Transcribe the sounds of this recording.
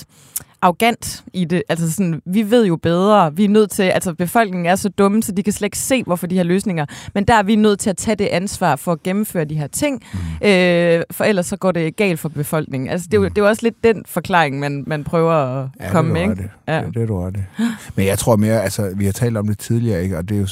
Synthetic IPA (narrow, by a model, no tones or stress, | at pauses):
ʔɑ̈ʊɡ̥æn̰d̥ʔid̥e̝ʔælsɐsɒ̽nʋiʋe̝ð̞̰ˠjo̝b̥eð̞ˠʁɐʋiænøð̞̰ˠt͡sʰe̝ʔælsɐb̥e̝fɒ̽l̰ɡ̥ne̝ŋn̩æɐsɒ̽d̥ɔ̽məsɒ̽d̥ikʰæsled̥e̥ɡ̥se̝̰ːʋɒfɒd̥ihæɐløːsne̝ŋɐmend̥æɐæɐʋinøð̞̰ˠt͡sʰe̝æt͡sʰɛd̥e̝ʔænsʋɑ̰̈ːfɒ̽ːɡ̥emm̩fø̰ːɐd̥iɦḛɐt͡sʰe̝ŋ̰ʔøfɒ̽el̰ɐsːɒ̽ɡ̥ɒ̰ːd̥e̝ɡ̥ɛ̰ːld̥fɒ̽b̥e̝fɒ̽l̰ɡ̥ne̝ŋn̩ʔælsəd̥e̝d̥e̝ɒ̽sle̝d̥ːenfɒ̽kʰlɑ̰̈ːeŋmænmænpʰʁœːʊɐɒkʰɒ̽məmeeɡdæd̥edæd̥emenjɑ̈ɪt͡sʰʁo̝ɐ̰me̝ːɐælsɐʋihɑ̈t͡sʰɛ̰ːld̥ɒ̽md̥e̝t͡sʰið̞ˠliɐːeɡ̥əɒd̥e̝jo